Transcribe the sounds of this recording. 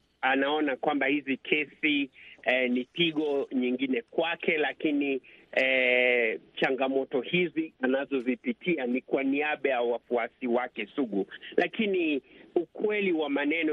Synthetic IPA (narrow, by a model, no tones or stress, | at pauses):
anaɔnakwambahizikʰɛsiɛnitiɠɔɲiŋɡinɛkwakɛlakini | t͡ʃaŋɡamɔtɔhizianazɔzipitʰianikwaniaɓajawafuasiwakɛsuɠulakiniukwɛliwamanɛnɔ